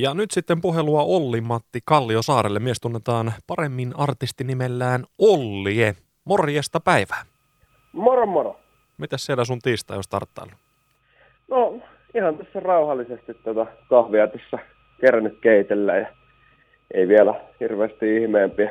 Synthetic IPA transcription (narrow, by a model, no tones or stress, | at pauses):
jɑnyt̪sit̪ːempuɦeluɑʔolːimːɑt̪ːikɑlːiosɑːɾelːemiest̪unːet̪ɑːnpɑremːinɑrt̪ist̪inimelːæːnolːie | morjest̪ɑpæiʋæː | morommoro | mit̪æssielæsunt̪iːst̪ɑ̰ḭo̰st̪ɑ̰rt̪ːɑ̰ilːu | no | ihɑnt̪æsːærɑuhɑlːisest̪it̪t̪uot̪ɑkɑhʋiɑt̪isːæ | kerænykkeit̪elːæ̰ːjɑ | ʔḛiʋielæhirʋeːst̪iihmeːmpiæ